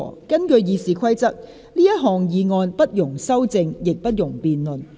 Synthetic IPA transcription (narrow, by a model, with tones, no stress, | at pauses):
ɔ̰ː˨˩kɐ˥nkɵ˧ɥjiː˨˧siː˨kʷʰwɐ˥jt͡sɐ˥k̚ | liː˥jɐ˥t̚ɦɔː˨˩ŋjiː˨˧ŋɔː˧npɐ˥t̚jʊ˨˩ŋsɐ˥wt͡sɪ˧ŋjɪ˨k̚pɐ˥t̚jʊ˨˩ŋpiː˨nlɵ˨˩n